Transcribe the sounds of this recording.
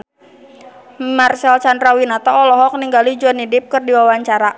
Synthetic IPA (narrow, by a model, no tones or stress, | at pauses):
marsɛlsandɾawinat̪ɔːlɔɦɔk̚niŋɡalid͡ʒuɔnidɪp̚kɨrdiwawaɲt͡ʃaɾa